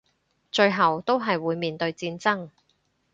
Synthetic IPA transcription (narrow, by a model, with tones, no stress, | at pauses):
t͡ʃɵ˧ɥɦɐ˨wt̪o˥wɦɐ˨jwuː˨˧jmiː˨nt̪ɵ˧ɥt͡siː˧nt͡sɐ˥ŋ